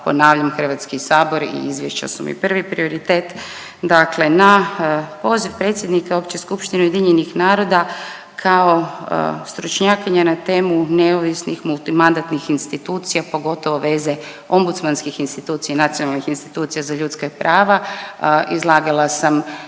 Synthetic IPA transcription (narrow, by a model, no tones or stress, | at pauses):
po̞̰naːʋʎamxər̩ʋat̪skisaːbo̞ɾḭizʋjeʃt͡ɕa̰sumḭpr̩ʋipɾio̞ɾit̪eːt̪ | d̪akle̞napo̞ːzifpɾe̞t̪sʲje̞d̪nikaopt͡ɕeskupʃt̪ineujed̪iɲenixnaːɾo̞d̪a | kʰaost̪ɾut͡ʃɲaːkiɲanat̪e̞ːmuneoʋisnixmulˠt̪imand̪at̪nixinst̪it̪uːt̪sijapo̞ɡo̞t̪o̞ʋo̞ʋe̞ːze̞ | o̞mbut̪smanskixinst̪it̪uːt̪sijanat̪sijonalnixinst̪i̥t̪uːt̪sijazaʎut̪skapɾʔaːʋaʔizlˠaːɡalˠasam